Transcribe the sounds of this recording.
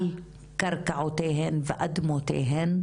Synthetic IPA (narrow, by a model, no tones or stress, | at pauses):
l | kaɾˤkaʕut̪eːɦɪnvɪʔad̪mot̪ḛːɦɪn